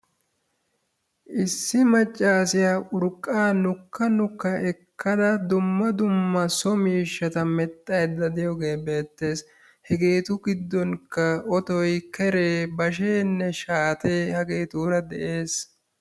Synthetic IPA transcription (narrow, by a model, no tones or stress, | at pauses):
ʔɪsːɪmɐt͡ʃʼːaːsɪjaːʔʊɾkʼːaːnʊkʰːɐnʊkːɐʔɛkːɐd̪ɐd̪ʊmːɐd̪ʊmːɐsɔmiːʃːɐt̪ɐmɛt̪ʼːɐjd̪ɐd̪ɪjɔɡe̞ːbe̞ːt̪ːe̞ːs | hɛɡe̞ːt̪ʊɡɪd̪ːɔŋkːɐɔt̪ɔjkɛɾe̞ːbɐʃ̬eːnːɛʃaːt̪e̞ːhɐɡe̞ːt̪uːɾɐd̪ɛ̰ʔe̞ːs